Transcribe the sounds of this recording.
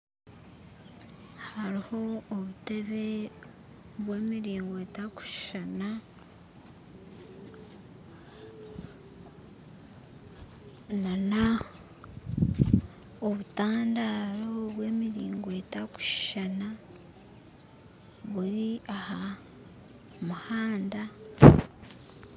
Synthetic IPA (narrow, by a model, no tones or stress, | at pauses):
haɾiho̞ːβute̞βe̞ | βwe̞ːmiɾiːŋɡoetaku̥ʃʃana | nana | oβutaːndaːɾoβwe̞ːmiɾiːŋɡoetaku̥ʃʃana | βuɾiaha | muhaːnda